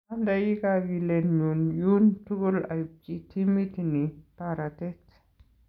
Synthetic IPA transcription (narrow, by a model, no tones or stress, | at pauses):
andajikawilenɲunjuntukula̰jup̚kitʰimit̪nipaɾat̪et